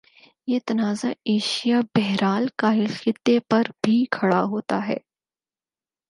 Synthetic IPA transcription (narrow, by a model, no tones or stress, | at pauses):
jeːt̪ɐnaːzaeːʃijabɛɦɾaːlkaːɦɪlxɪt̪ːepɐɾbʱikʰɐɽaɦoːt̪aɦɛ̰ː